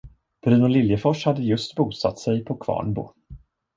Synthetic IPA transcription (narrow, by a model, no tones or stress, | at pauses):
b̥ɾʉ̟ːnʊlɪljəfɔʂhad̪ːəjɵst̪buːt̪sa̰t̪ːsɛjpʰɔkʰvɑ̰ːɳbṵ